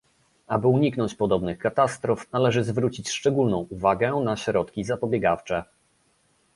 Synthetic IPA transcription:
abɘuɲiknɔ̃ɲt͡ɕpɔd̪ɔbnɘxkat̪ast̪ɾɔfnalɛʐɘzvɾut͡ɕit͡ɕʂt͡ʂɛɡulnɔ̃w̃uvaɡɛnaɕɾɔt̪kʲizapɔbʲjɛɡaft͡ʂɛ

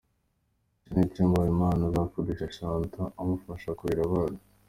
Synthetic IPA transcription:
siniciːmɡaimaːnazafudiʃaʃaːntʰaːmufaʃakuiɾaβaːnḁ

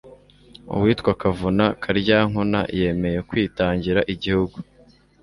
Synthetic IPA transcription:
ṵwiːtkwakavunakʰaɾɟaːŋuna̰je̞me̞je̞kwiːtaːɲɟiɾaʔiɟihuɡu

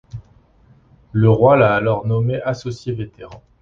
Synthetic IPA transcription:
ləʁwalaːlɔʁnɔmeʔasɔsjevet̪eʁɑ̃

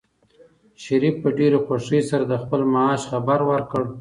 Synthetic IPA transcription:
ʃaɾifpəɖeɾexwaʂəsaɾad̪əxpəlmaɑʃxabaɾwəɾkəɽ

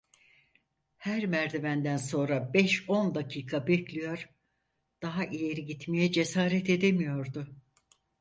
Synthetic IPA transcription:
hæɾmæɾd̪evænd̪ænso̞nɾabɛʃo̞nd̪acʰiːkʰabɛclʲijo̞ɾ̥ | d̪̥aɦaʔije̞ɾiɟit̪mejɛd͡ʒe̞saːɾɛt̪e̞d̪emijo̞ɾd̪ʊ

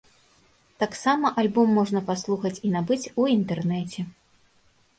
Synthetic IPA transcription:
t̪aksamɐʔalʲbɔmːɔʐnɐpaslˠuxɐt͡sʲinabɨt͡sʲuint̪ɛrnɛt͡sʲɛ

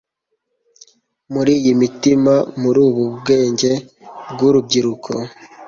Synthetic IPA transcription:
muɾiːjimitimamuɾuːβubɡe̞ːɲɟe̞ | bɡuɾub̚ɟiɾukʰo

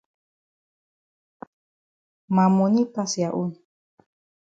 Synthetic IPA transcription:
mamunipasjaʔuɲi

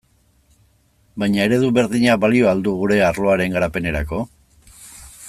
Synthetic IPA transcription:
bajɲae̞ɾe̞ðuβe̞ɾðiɲabalio̞ald̪uɣ̞uɾe̞aɾlo̞aɾe̞ŋɡaɾape̞ne̞ɾako̞

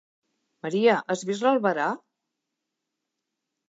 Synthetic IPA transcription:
məɾiəʔəzβizləlˠβəɾa

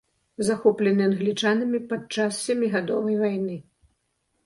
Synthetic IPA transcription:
zaxɔplʲɛnɨanɣlʲit͡ʂanɐmʲipat͡ʂassʲɛmʲiɣad̪ɔvɐjvajnɨ

